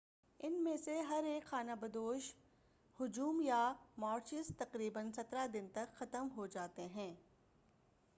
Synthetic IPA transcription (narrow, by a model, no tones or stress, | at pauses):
ɪnmẽseɦɐɾeːkxaːnabɐd̪oːʃ | hʊd͡ʒuːmjamaːɾt͡ʃɪzt̪ɐqɾiːbənsɐt̪ɾad̪ɪnt̪ɐkxɐt̪əmɦod͡ʒaːt̪eɦɛ̃ː